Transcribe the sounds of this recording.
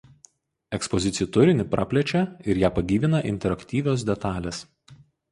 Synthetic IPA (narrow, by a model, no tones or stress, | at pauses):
ɛkspɔzʲɪt̪sʲɪjt̪ʊɾʲɪnʲɪpɾʔɑ̰ːpʲlʲɛt͡ʃʲɛɪɾjæːpɐɡʲiːʋʲɪnɐʔɪ̰nʲt̪ʲɛɾɐkʲt̪ʲiːʋʲoːs̬d̪ʲɛt̪ɑːlʲes